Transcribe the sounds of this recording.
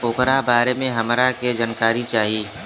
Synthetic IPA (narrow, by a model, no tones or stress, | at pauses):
ʊːkɾabaːɾemẽɦɐmɾaked͡ʒaːnkaːɾit͡ʃaːɦiː